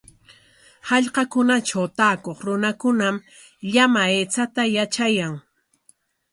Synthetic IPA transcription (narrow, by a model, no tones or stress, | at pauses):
hɑʎqɑkʊnaʈ͡ʂawt̪aːkoχɾʊnakʊnam | ʎamaeːt͡sat̪ajat͡ʃajaŋ